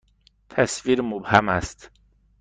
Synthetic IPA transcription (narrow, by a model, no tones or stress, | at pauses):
t̪ʰæsviːɾmobhæmæst̪